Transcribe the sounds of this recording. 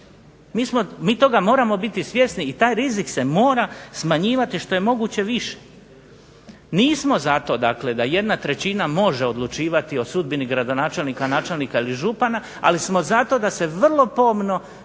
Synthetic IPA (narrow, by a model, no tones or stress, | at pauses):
miːsmomiːt̪o̞ɡamo̞ːɾamo̞bit̪isʋje̞sniːt̪aːjɾizikse̞mo̞ːɾasmaɲiːʋat̪iʃt̪o̞je̞mo̞ɡut͡ɕe̞ʋiʃe̥ | niːsmo̞zat̪o̞d̪akle̞d̪aje̞d̪nat̪ɾe̞t͡ɕinamo̞ʒe̞o̞d̪lˠut͡ʃiːʋat̪io̞sud̪̚biniɡɾad̪o̞naːt͡ʃe̞lˠniːkanaːt͡ʃe̞lniːkailiʒupana | a̰lismo̞zat̪o̞ːd̪ase̞ʋrlˠo̞po̞mno̞